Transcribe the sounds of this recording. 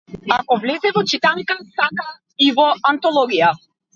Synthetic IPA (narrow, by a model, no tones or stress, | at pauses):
akɔvlɛzɛvɔt͡ʃit̪anikasaka | ivɔant̪ɔlˠɔɡija